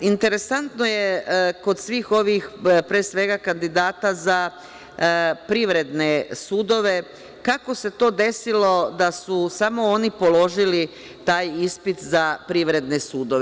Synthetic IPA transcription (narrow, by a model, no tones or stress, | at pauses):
int̪e̞ɾe̞sant̪no̞je̞ko̞d̪sʋiːxo̞ʋixpɾeːsʋe̞ɡakand̪id̪aːt̪aza | pɾiʋɾe̞d̪ne̞suːd̪o̞ʋe̞ | kako̞se̞t̪o̞ːd̪e̞silo̞d̪asusamo̞onipo̞lo̞ʒili | t̪aːjispit̪zapɾiʋɾe̞d̪ne̞suːd̪o̞ʋe